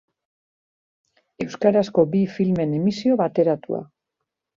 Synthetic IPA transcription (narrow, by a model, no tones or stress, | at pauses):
e̞wskaɾasko̞bifilme̞ne̞misio̞βat̪e̞ɾat̪ṵa̰